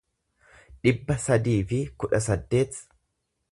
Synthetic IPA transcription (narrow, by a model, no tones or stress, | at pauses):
ᶑɪbːɐsɐd̪iːfɪkʊᶑɐsɐd̪ːe̞ːt̪